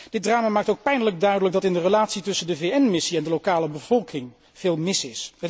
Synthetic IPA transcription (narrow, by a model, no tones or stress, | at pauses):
d̥ɪt̚draːmaːmaːk̚towk̚pɛjndələɡ̚dœɥdələk̚ɡ̚dɑtɪndərəlaːtsitɵsəndəvejɛnmɪsiɛndəlowkaːləbəvɔlˠkɪŋ | v̥ɪːlˠmɪsɪsɦət